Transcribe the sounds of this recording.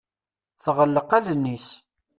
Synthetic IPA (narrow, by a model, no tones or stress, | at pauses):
θʁəlːəqælənːis